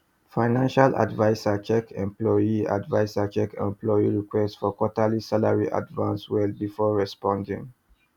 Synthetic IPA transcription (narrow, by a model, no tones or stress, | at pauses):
faɪnãnʃalʔa̰dvaɪsat͡ʃɛkʰɛ̰̃mplɔjia̰dvaɪsat͡ʃɛkɛ̰̃mplɔiɹikwɛstsfɔkɔtalisalaɹiʔa̰dvãnswɛlbifɔɹɛspɔ̃ndḭ̃ŋ